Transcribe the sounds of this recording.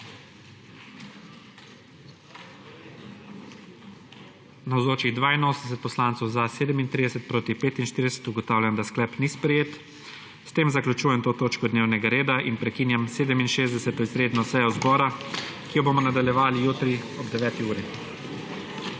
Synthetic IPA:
nawzoːt͡ʃiɣd̪ʋaːinoːsənɛsɛt̪̚pɔslaːnt̪sɔwzaseːd̪ɛmint̪ɾid̪ɛsɛt̪̚pɾoːt̪ipeːt̪inʃt̪iɾd̪ɛsɛ̥t̪uɡɔt̪aːwlʲjand̪asklɛpnispɾɛjeːt̪ | st̪eːmzaklʲut͡ʃuːjɛmt̪oːt̪oːt͡ʃkɔd̪neːwnɛɡaɾeːd̪aʔinpɾɛkiːnjamseːd̪ɛminʃeːzd̪ɛsɛt̪ɔizɾeːd̪nɔsɛjɔzbɔːɾakijɔbomɔnad̪aljɛʋaːlijuːt̪ɾi | ɔbd̪ɛʋɛːt̪iuːɾi

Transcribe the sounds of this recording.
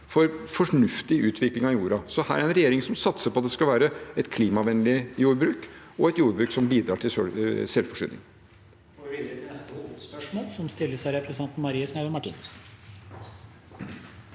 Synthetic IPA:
fɔɾfɔʂɳʉft̪ɪʔʉːt̪ʰʋɪklɪŋɑjuːɾɑsɔhæːɾæɾɛnɾɛjeːɾɪŋsɔmsɑt̪səpɔɑt̪d̪ɛskɑlʋæːɾəɛt̪kʰliːmɑʋɛnlɪjuːɾbɾʉːkɔɛt̪juːɾbɾʉːksɔmbiːd̪ɾɑːʈʰɪløsɛlfɔʂʏ̰nʔɪ̰ŋ | moːlsɔmst̪ɪlːəsæɾɛpʰɾəst̪ɛnt̪n̩mɑɾiːəsnæʋəmɑʈʰḭːnəsn̩

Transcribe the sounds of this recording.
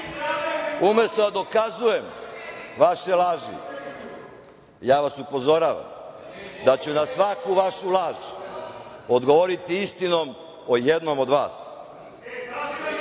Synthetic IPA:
umest̪od̪ad̪o̞kazujemʋaʃelˠaːʒḭ | jaːʋasupo̞zo̞ɾaʋa̰md̪at͡ɕunasʋakuʋaʃulaːʒ | od̪ɡo̞ʋoɾit̪iist̪ino̞m | o̞jed̪no̞mo̞d̪ʋa̰ːs

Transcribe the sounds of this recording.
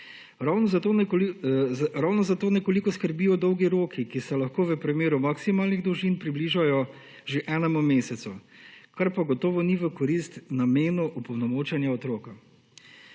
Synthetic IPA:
ɾawnɔo | ɾawnɔzat̪oːnɛkolikɔskəɾbijɔd̪ɔwɡiɾoːkʰikisɛlaxkoːʋəpɾimeːɾumaksimaːlniɣd̪ɔwʒinpɾibliːʒajɔ | ʒeʔɛːnɛmumeːsɛt̪sukaɾpaɡɔt̪ɔːʋɔniʋəkɔɾist̪nameːnuʔupɔwnɔmoːt͡ʃɛnjaɔt̪ɾoːka

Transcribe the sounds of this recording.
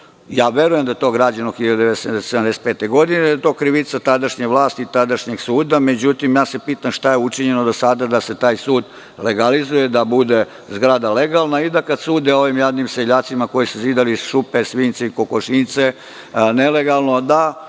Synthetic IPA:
jaːʋje̞ɾuje̞md̪ajet̪o̞ɡɾaːd͡ʑanoxiʎad̪ud̪esesoseamd̪ese̥t̪̚peːt̪eɡo̞d̪ined̪ajet̪o̞ːkɾiʋit̪sat̪ad̪aʃɲeʋlˠaːst̪iːt̪ad̪aʃɲeɡsuːd̪ame̞d͡ʑut̪imjaːse̞piːt̪amʃt̪ajeut͡ʃiɲenod̪osad̪ad̪ase̞t̪aːjsuːd̪ | le̞ɡalizuje̞d̪abud̪e̞ | zɡɾaːd̪aleɡalnaid̪akad̪suːd̪eo̞ʋimjad̪nimseʎaːt̪simako̞jisuziːd̪aliʃupesʋiːnt̪seikokoʃint̪se | neleɡalˠnod̪a

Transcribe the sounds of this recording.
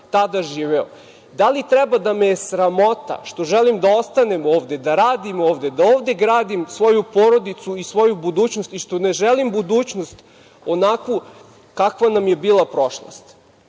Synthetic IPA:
t̪ad̪aʒiːʋeo̰ | d̪alit̪ɾɛbad̪ameesɾamo̞t̪a̰ʃt̪o̞ʒelimd̪ao̞st̪ane̞mo̞ːʋd̪e̞d̪aɾaːd̪imo̞ːʋd̪e̞d̪aoːʋd̪e̞ɡɾaːd̪imsʋo̞jupo̞ɾo̞d̪it̪suisʋo̞jubud̪uːt͡ɕnost̪iʃt̪o̞neʒelimbud̪uːt͡ɕno̞st̪ | o̞nakʋu | kakʋanamje̞biːlˠapɾo̞ʃlˠo̰st̪

